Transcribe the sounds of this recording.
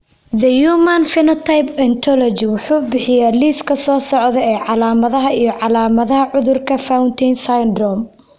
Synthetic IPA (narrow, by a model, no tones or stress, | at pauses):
ðɐjuːmɐnfɪnɔt̪ʰajpɛnt̪ʰɔlɔd͡ʒɪwʊħuːbɪħɪjaːliːskʰɐsɔːsɔʕðɛɛːʕɑlaːmɐðɐɦɐijɞʕɑlaːmɐðɐɦɐʕʊðʊrkʰɐfawnt̪ʰɛjnsajnd̪rɔm